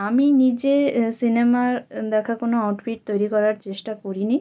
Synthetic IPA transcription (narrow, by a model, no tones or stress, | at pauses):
aminid͡ʑesinemaɾd̪ɛkʰakonoawʈfʰiʈ̚t̪ojɾikɔɾaɾt͡ɕeʃʈakoɾini